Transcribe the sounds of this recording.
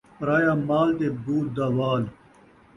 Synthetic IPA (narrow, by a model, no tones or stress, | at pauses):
pɾaːjaːmaːlt̪eːbuːt̪̚d̪aʋaːl